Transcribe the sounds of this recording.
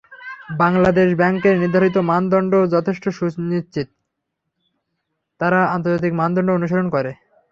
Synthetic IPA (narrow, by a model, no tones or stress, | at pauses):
baŋlad̪eʃbɛŋkeɾniɾd̪ʱaɾit̪̬omand̪ɔɳɖod͡ʑɔt̪ʰeʃʈoʃunit͡ɕit̪̚ | aɾaant̪oɾd͡ʑat̪̬ikmand̪ɔɳɖoonuʃ̬oɾonkɔɾe